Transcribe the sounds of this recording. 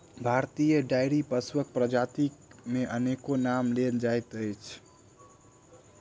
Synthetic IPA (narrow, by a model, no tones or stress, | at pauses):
bʱaɾt̪ijəɖajɽipəswək̚pɾəd͡ʒat̪ikmeʔənekonamleld͡ʒajt̪əjt͡ʃʰ